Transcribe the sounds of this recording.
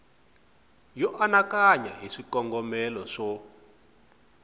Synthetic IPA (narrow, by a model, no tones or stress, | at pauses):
jɔʔanakaɲa̰ɦiʂikɔŋɡɔmɛlɔʂɔ